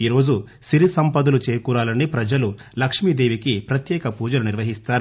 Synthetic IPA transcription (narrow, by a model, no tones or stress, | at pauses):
iːɾo̞ːd͡ʒu | siɾisɐmpɐd̪ulut͡ʃɛːjkuːɾaːlɐnːipɾɐd͡ʒɐlulɐkʂmid̪e̞ːʋikipɾɐt̪jɛːkɐpuːd͡ʒɐluniɾʋɐɦist̪aːɾu